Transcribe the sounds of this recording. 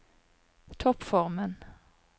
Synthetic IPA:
t̪ʰɔpfɔʁmən

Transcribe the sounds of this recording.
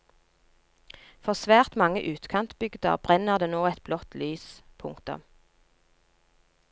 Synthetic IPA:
fɔʁsʋæːʁt̪mɑŋəʔʉːt̪kʰɑnt̪bʏɡd̪ə̰ʁbʁɛnəʁd̪eːnoːɛt̪̚blɔt̪ʰlyːspʰʊŋkt̪ʊ̰m

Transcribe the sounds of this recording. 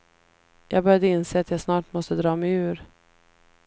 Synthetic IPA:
jʔɑ̰ːɡbœɾjad̪əɪnseːat̪jɑːɡsnɑːʈmɔst̪əd̪ɾɑːmɛjʉ̟ːɾ

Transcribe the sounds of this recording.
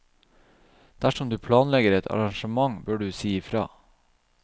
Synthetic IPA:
d̪̥æʂɔmd̪ʉːpʰlɑːnlɛɡəɾɛt̪ʰɑ̰ɾɑŋʃəmɑŋbøːɖʉːsiːɪfɾɑ̰ː

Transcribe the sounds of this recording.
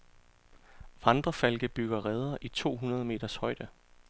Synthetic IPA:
ʋɑ̈nd̥ʁɐfælɡ̥əb̥yɡ̥ɐʁɛːð̞ˠɐʔit͡sʰo̝̰ːɦunɐð̞ˠəme̝̰ːd̥ɐshɒ̽ɪd̥ə

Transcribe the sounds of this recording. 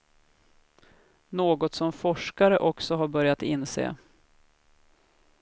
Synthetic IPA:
noːɡɔt̪sɔmfɔʂkaɾəʔɔksɔɦaɾbœɾjat̪ɪnsḛː

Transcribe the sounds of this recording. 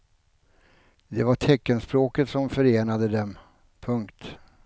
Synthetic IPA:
d̪ɛvaʈʰɛkːənspɾoːkət̪sɔmfœɾeːnad̪əd̪ɛm | pʰɵŋkt̪

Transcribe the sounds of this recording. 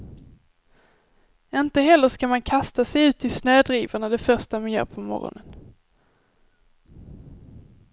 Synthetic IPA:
ɪnt̪əɦɛlːəʂkamankʰast̪asɛjʉ̟ːt̪ʰɪlsnøːd̪ɾiːvaɳad̪ɛfœʁʂʈamanjœ̰ːɾpʰɔmɔ̰ɾɔ̰nən

